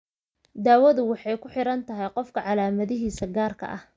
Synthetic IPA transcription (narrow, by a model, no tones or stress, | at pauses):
d̪aːwɐðʊwɑħɑjkʰʊħɪɾɐnt̪ʰɐɦɛjqɔfkʰɐʕɑlaːmɐðɪɦiːsɐɡaːrkʰɐ̰ʔɐh